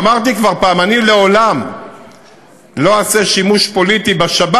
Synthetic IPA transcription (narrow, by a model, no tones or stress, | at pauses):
maʁt̪̬ikvaʁpaːmanile̞o̞lam | lo̞aseʃimuʃpo̞lit̪ibaʃaba